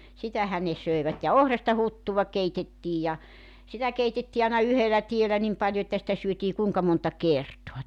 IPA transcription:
sitæhæn ne søeʋæt jɑ ohrɑstɑ hutːuʋɑ keitetːiːj jɑ sitæ keitetːiː ɑˑenɑ yhelæ tielæ nim pɑljo etːæ sĭtæ syøtiː kuːŋkɑ montɑ kertoɑ

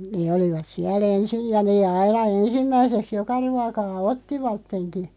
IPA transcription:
neː oliʋɑt siæl ensij jɑ neː ɑinɑ ensimːæiseks jokɑ ruɑkɑː otːiʋɑtːenki

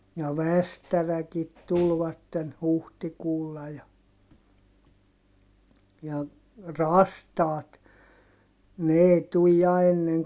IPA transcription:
jɑ ʋæstærækit tulʋɑtːen huhtikuːlːɑ jɑ jɑ rɑstɑːt ne eˑi tuj jɑ enːeŋ

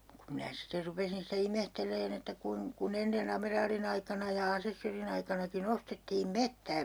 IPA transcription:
kum minæ siter rupesin sitæ imehtelˑeːn etːæ kuin kun enːen ɑmerɑːlin ɑikɑnɑ jɑ ɑsesːørin ɑikɑnɑkin ostetːiːm metːæː

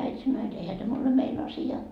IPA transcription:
æitʲ sɑnːoː jot eihæ tæm ole mein ɑsiɑ

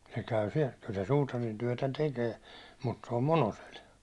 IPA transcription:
se kæy siɛl kyl se suːtɑrintyæ̹tæ tekeː mut se om monosel

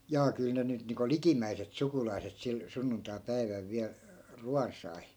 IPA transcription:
jɑː kyl ne nyt niːŋko likimːæiset sukulɑi̯set sil sunːuntɑi̯pæiʋæl ʋiæl ruɑn sɑi

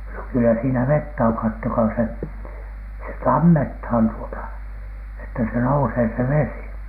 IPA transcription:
no kylːæ siːnæ ʋetːæ oŋ kɑtːokɑː se se tɑmːethɑn tuotɑ etːæ se nouseː se ʋesi

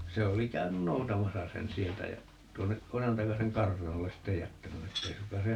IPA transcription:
se oli kæynyn noutɑmɑsɑ sen sieltæ jæ tuonːeʔ ʔojɑntɑkɑseŋ kɑrtɑnolːes sitːej jætːæny etːei sukːɑː se

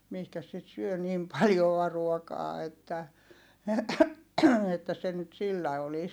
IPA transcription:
mihkæs sit syø nim pɑljoɑ ruokɑː etːæ etːæ se nyt silːæ olis

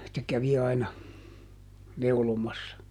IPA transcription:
se kæʋi ɑinɑ neulomɑsːɑ

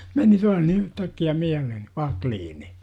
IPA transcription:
meni tuɑh ni yhtækːiæ miælehen̞ ʋɑkliːni

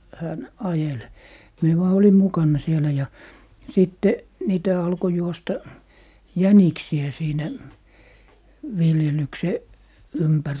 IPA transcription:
hæn ɑjel mie ʋɑː olim mukɑnːɑ sielæ jɑ sitːe niːtæ ɑlko juostɑ jæniksiæ siːnæ ʋiljelykse ympær

